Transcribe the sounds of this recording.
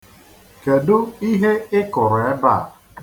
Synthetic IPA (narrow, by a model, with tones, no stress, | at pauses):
ke˨dʊ˦i˦ɦe˦ɪ˦kʊ˨ɾe˦ba˦˨